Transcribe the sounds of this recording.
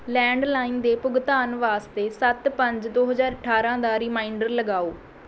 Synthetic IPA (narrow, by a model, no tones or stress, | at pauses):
lɛ̃ːɳɖlaːɪnd̪eːpʊɡt̪aːnʋaːst̪eːsət̪pəɲd͡ʒd̪oːɦəzaːɾəʈʰːaːɾãːd̪aːɾɪmaːɪɳɖəɾləɡaːoː